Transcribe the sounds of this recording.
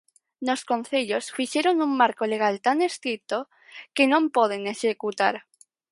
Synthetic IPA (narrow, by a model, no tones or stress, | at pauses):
noskon̟θeʎosfiʃeɾonummaɾkoleɣ̞alt̪anest̪ɾit̪o | kenõmpoð̞eneʃekut̪aɾ